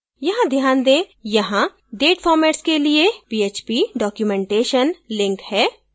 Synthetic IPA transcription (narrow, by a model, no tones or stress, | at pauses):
jɐɦãd̪ʱjaːnd̪ẽːjɐɦã | ɖeːʈfʰɔːɾmeːʈskeliepiːeːt͡ʃpiɖɔːkjumɛ̃ɳʈeːʃənlɪ̃ŋkhɛː